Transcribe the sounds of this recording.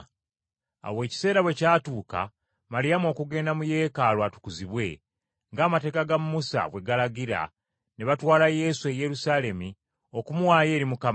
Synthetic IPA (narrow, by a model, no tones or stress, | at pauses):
a̰we̞ːci̥se̞ːɾaβwe̞caːtuːka̰ | malijamuo̞kuɡe̞ːndamuje̞ːkalwatu̥kuziβwe̞ | ŋɡaːmate̞ːkaɡamːusa̰βwe̞ɡalaɡiɾa̰ | neβatwaːlaje̞sue̞je̞ɾusaːle̞mi | o̞kumuwaːje̞ːɾimukam